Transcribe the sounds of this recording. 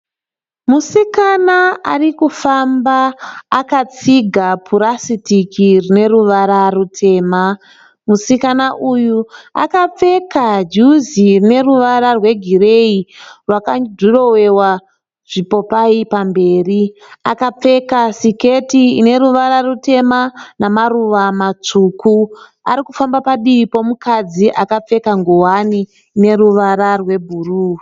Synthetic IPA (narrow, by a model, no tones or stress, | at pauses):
musikanaarikufambaːkat͡siɡʱapuɾasitikirine̞ɾuʋaɾarutʰe̞ːma | musikanaʔujua̰kap͡fe̞kad͡ʒuzirine̞ruʋaɾarwe̞ɡʱire̞irwakadʱuro̞we̞wa | ʐ̥ipo̞paipambe̞ːri | akap͡fe̞kasiketiine̞ɾuʋaɾarute̞manamaruʋamat͡ʂuːku | a̰ɾikufambapaɗiipo̞mukad͡ziʔakap͡fe̞kaŋɡowaniː | ne̞ɾuʋaɾarwe̞bʱuruː